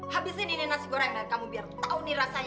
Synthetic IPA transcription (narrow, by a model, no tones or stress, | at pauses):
habisinininasiɡɔɾamakamubiart̪auniɾasaɲ